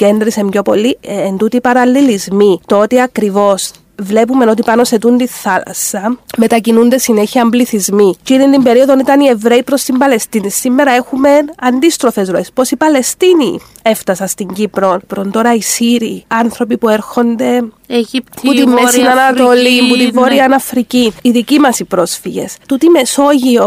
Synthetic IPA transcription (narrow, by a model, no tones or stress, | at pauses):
ce̞nd̪ɾisemɟo̞po̞̰lːiend̪ut̪ipɐɾɐlːilizmit̪oot̪iɐkɾivo̞s | vle̞pume̞no̞t̪ipɐno̞se̞t̪unt̪iθɐlɐ̰sɐme̞t̪ɐcinund̪esine̞çiɐmbliθizmicinind̪imbe̞ɾio̞ðo̞nit̪ɐnie̞vɾe̞ipɾo̞st̪imbɐle̞st̪inisːimːe̞ɾɐe̞xume̞nɐnd̪ist̪ɾo̞fe̞zɾoe̞spo̞sipɐle̞st̪inḭ | e̞ft̪ɐsɐst̪iɲɟipɾo̞npɾont̪o̞ɾɐisiɾiɐnθɾo̞pipue̞ɾxo̞nd̪e̞ | put̪imːesinɐnɐt̪olimput̪ivːoɾiɐnɐfɾiciniðicimɐsipɾo̞sfiʝe̞̰st̪ut̪ime̞so̞ʝio